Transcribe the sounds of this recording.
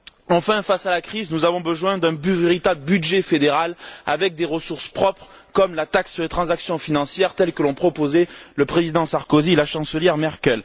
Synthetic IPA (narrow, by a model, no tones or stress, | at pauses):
ɑ̃fɛ̃fasalakχiznuzavɔ̃bəzwɛ̃d̪ɛ̃byveʁit̪abləbyd̪ʒefed̪eʁalavɛk̚d̪eʁəsuʁspχɔpχ | kɔmlat̪aksːyʁlet̪χɑ̃zaksjɔ̃finɑ̃sjɛʁt̪ɛlkəlɔ̃pχɔpozɛləpχezid̪ɑ̃saʁkozielaʃɑ̃səljɛʁmɛʁkʲœl